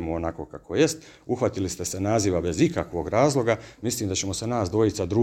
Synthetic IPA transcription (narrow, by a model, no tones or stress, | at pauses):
moonako̞kakʰoje̞st̪uxʋat̪ilist̪e̞se̞naːziʋabe̞zikakʋo̞ɡɾaːzlˠo̞ɡamislˠiːmd̪at͡ɕe̞mo̞se̞naːsd̪ʋo̞jit̪sad̪ɾuː